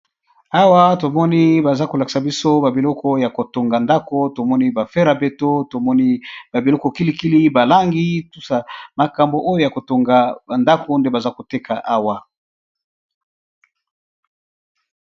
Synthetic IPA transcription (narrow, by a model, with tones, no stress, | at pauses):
a˦wa˦to˨mɔ˦ni˦ba˨za˦ko˨la˨ki̥˨sa˨bi˦so˦ba˨bi˨lɔ˦kɔ˦ja˨ko˨to˨ŋɡa˨nda˦ko˦to˨mɔ˦ni˦ba˨fe˦ɾa˨be˦to˦to˨mɔ˦ni˦ba˨bi˨lɔ˦kɔ˨ki˦li˦ki˦li˦ba˨la˦ŋɡi˦tu˦sa˨ma˨ka˨mbo˨ʔo˦jo˦ja˨ko˨to˨ŋɡa˨a˨nda˦ko˨nde˦ba˨za˦ko˨te˦kʰa˨ʔa˦wa˦